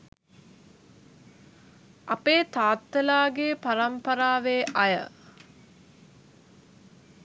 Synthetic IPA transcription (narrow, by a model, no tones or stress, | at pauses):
ʔapeːt̪aːt̪ːəlaːɡepaɾɐmpɐɾaːʋeːʔɐjə̰